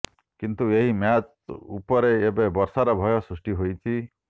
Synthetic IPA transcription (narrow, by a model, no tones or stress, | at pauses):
kint̪ueɦimjat͡ʃ | ṵpɔɾeːbebɔɾsaɾɔbʱɔjɔsɾusʈiɦojt͡ʃʰi